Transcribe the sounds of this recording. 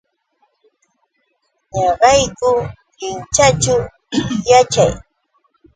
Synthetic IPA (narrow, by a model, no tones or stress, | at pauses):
ɲɑɢɑjkʊ | ɪnt͡ʃat͡ʃʊ | jat͡ʃa̰j